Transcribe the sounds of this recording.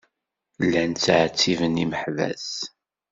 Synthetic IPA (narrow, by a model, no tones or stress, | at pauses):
lːænt͡sːʕt͡sːivəniməħvæ̰s